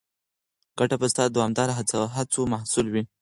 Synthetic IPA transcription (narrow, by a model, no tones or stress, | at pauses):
ɡ̥aʈapəst̪ɑd̪awamd̪ɑɾaɦat͡saɦat͡somahsulwi